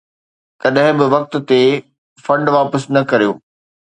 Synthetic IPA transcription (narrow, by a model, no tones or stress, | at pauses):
kɐɗɦɪ̃bɪʋɐk̚t̪̆t̪e | fɐ̃ɳɖʋaːpəsnɐkɐɾijo̰ː